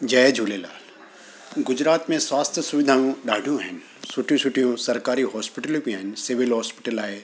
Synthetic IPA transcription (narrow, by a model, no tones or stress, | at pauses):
d͡ʒɐed͡ʒʱuːlela̰ːl | ɡʊd͡ʒɾaːt̪mẽswaːst̪ʰjəsʊʋɪd̪ʱaːjũɖaːɖʱũɦɛn | sʊʈjũsʊʈijõsɐɾkaːɾiɦɔːspɪʈəlopiaːnsɪʋɪlɦɔːspɪʈəlaːe